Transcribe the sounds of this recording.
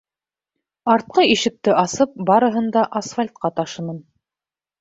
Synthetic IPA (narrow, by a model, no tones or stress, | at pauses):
ɑɾt̪̚qɤiʃɘ̆k̚t̪ɘʔɑsɤp̚bɑɾɤ̆ɦɤ̆nd̪ɑʔasfalʲt̪̚qɑt̪ɑʃɤ̆nɤn